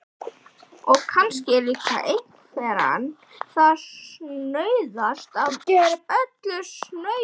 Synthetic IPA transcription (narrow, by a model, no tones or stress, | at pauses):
ɔɣkʰanscɪɛɾliːka̰ʔej | kʰvɛːɾa̰n | θaðsnœːɥðast̪avœt̪lʏsnœ